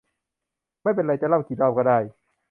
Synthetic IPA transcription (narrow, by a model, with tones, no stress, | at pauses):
ma˥˩˨pe˧nɾa˧˩jt͡ɕa˧˨la˥˩wkʰiː˨˩t̪̚laː˥˧˩wkɔ˥˩daː˥˩j